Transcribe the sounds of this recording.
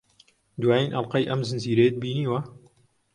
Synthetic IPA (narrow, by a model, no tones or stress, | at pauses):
d̪waːjinʔɐlˠqɐjʔɐmzɨnziːɾejed̪̚biːniːwɐ